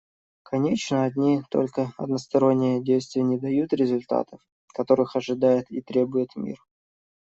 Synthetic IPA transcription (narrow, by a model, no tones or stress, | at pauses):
kʰɐnʲet͡ɕnəɐdʲnʲit̪o̞̰lʲkəɐ̰d̪nəst̪ɐɾo̞nʲːɪjədʲejst̪vʲɪjənʲɪd̪ɐjut̪ɾʲɪzʊlʲt̪a̰t̪əf | kɐt̪o̞ɾɨxɐʐɨd̪ajɪt̪it̪ɾʲe̞bʊjɪt̪mʲḭr